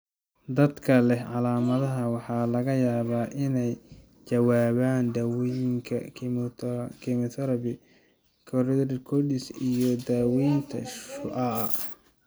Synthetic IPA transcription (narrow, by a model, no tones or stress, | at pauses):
d̪ɐd̪kʰɐlɛhʕɑlaːmɐðɐɦɐwɑħɑːlɐɣɐjaːβaːʔɪnɛj | t͡ʃɐwaːβaːnd̪ɐwjɪŋkʰɐ̰ | kʰɪmɔt̪ʰɐɾɐbɪ | kʰɔɾɪd̪ɾkʰɔd̪ɪsijɔd̪aːwijnt̪ʰɐ̰ʃʊʔɐ